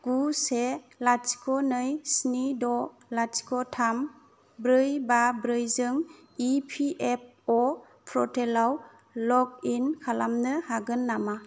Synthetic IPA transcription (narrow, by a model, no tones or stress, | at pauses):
ɡ̥uselasi̥kʰɔnɯjsnidɔ | lat͡ʃi̥kʰɔtʰam | bɾɯjbabɾɯjzɯŋ | ipʰiʔep̚ | ɔ | pʰɾɔtʰelaw | lɔk̚inkʰalamnɯhaɡɯnːama